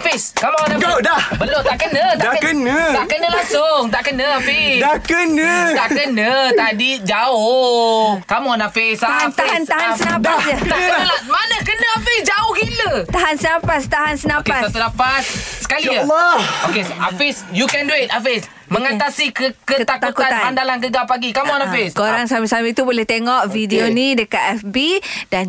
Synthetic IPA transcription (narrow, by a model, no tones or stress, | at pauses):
fɪskamonãɡdabəlot̪aʔkənə̃t̪aakənət̪aʔkənəlaŋsʊŋt̪aʔkənə̃afidakənət̪aʔkənət̪adid͡ʒao | kamonafɪsat̪aanaɦasənãpdaat̪aʔkənəlamanəkənəafɪsd͡ʒaohkilət̪aɦansənãpast̪aɦansənãpasasunapassə̥kali | okeafisjukɛnduet̪̚afes | məŋat̪asikəkəkət̪ak̪autkuat̪aanpandalankəɡapaɡikamonafeskoɾaŋsamisamit̪ubolɛht̪eŋɔʔfidionĩdəkat̪ɛfbidan